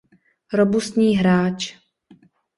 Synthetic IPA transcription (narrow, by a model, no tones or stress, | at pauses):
ɾobust̪ɲiːɦɾaːt͡ʃ